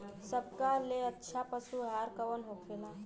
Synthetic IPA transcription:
səb̚kalːeətːɕʰapəsuɦaɾkəʋənɦokfela

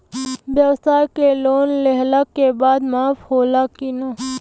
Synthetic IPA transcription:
bjɐwsaːjkeloːnlɛɦlakebaːd̪maːfʰɦoːlakinaː

